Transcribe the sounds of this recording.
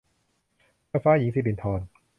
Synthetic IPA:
faː˦˥ji˨˦ŋsi˧˩di˨˩nt̪ʰɔː˧n

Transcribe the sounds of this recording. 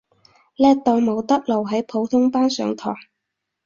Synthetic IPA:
lɛː˥t̪ɔː˨˧mo˨˧wt̪ɐ˥k̚lo˨˩wɦɐ˨˥jpʰo˨˧wt̪ʰʊ˥ŋpaː˥nsœː˨˧ŋt̪ʰɔ̰ː˨˩ŋ

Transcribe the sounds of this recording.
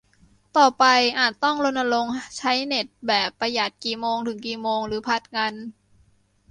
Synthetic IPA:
t̪ɔː˨˩pa˧jʔaː˨˩t̪̚t̪ɔ˥˩ŋlo˧nːa˧lo˧ŋt͡ɕʰa˦˥jne˨˩t̪̚bɛː˨˩pːa˧jaː˨˩t̪̚kiː˨˩moː˧ŋt̪ʰɯ˩˦ŋkiː˨˩moː˧ŋɾɯː˩˦pʰa˧˥˩t̪̚ŋa˧n

